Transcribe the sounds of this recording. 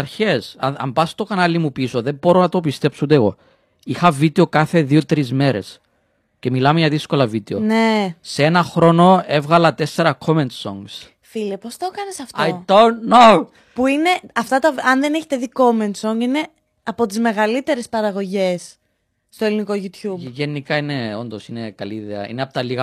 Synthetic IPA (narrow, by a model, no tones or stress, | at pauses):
ɐɾçe̞sɐɐ̰mbɐst̪o̞kɐnɐlimupiso̞ðembo̞ɾonɐt̪o̞pist̪e̞psoud̪eɣo̞̰ | ixɐvit̪eo̞kɐθe̞ðio̞t̪ɾizme̞ɾe̞̰s | ce̞milɐmeʝɐðisko̞lɐvit̪eo̰neseenɐxɾo̞no̞e̞vɣɐlɐt̪e̞sːe̞ɾɐkʰo̞ment̪so̰ŋɡs | filepo̞st̪okɐnesɐft̪aojd̪ont̪no | puine̞ɐft̪ɐt̪ɐɐnðene̞çet̪eðiko̞ment̪so̞ŋɡine̞ | ɐpo̞t̪izme̞ɣɐlit̪e̞ɾespɐɾɐɣo̞ʝe̞sː | t̪oe̞liniko̞ʝut̪çubʝenikɐineo̞nd̪osinekɐliːðeɐ̰ḭneɐpot̪ɐliɣɐ